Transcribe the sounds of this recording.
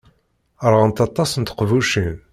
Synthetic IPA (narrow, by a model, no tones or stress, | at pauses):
əɾˤʁənt̪ɑt̪ˤːɑsnt̪ə̥qvuʃin